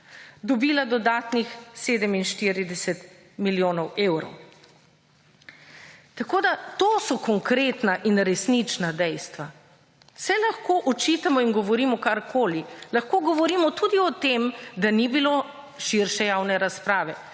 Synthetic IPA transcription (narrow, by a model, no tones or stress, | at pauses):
d̪ɔbiːlad̪ɔd̪aːt̪nixseːd̪ɛminʃt̪iɾid̪ɛsɛt̪ | miljoːnɔweːwɾɔ̰w | t̪akoːd̪at̪oːsɔkɔŋkɾet̪naʔinɾɛsnit͡ʃnad̪ɛjst̪ʋa | sɛlaxkoːʔɔt͡ʃiːt̪amɔiŋɡɔʋɔɾiːmɔkaɾkʰoːlilaxkoːɡɔʋɔɾiːmɔt̪ud̪iɔt̪emd̪anibilo | ʃiɾʃɛjaːwnɛɾaspɾaːʋɛ